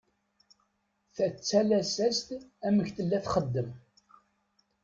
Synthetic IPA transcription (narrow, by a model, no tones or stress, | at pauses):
θæt͡sːælæsæst̪æməçθəlːæθχəd̪ːəm